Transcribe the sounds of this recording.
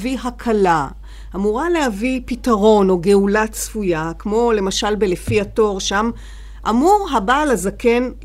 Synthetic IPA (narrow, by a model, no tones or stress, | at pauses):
viɦakʰala | ʔamuʁale̞havipitaʁo̞no̞ɡe̞ulat͡sfujakmo̞le̞maʃalbelefiato̞ʁʃam | ʔamuʁɦabalazake̞n